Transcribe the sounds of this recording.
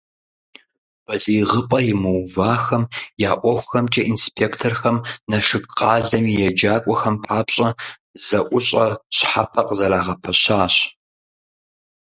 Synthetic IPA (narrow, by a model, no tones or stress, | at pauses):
b̥ɐɮiːʁəpʼɐjɪmɨwvaːxɐmjaːʔʷɔxʷxɐmt͡ʃʼɐʔinspʰeːktʰorxɐmnɐʂɨkqʼɑːɮɐmijjɛd͡ʒaːkʷʼɔxɐmpʰaːpɕʼɐ | zɐʔʷʊɕʼɐɕħapʰɐqʼzɐɾaːʁɐpʰɐɕaːɕ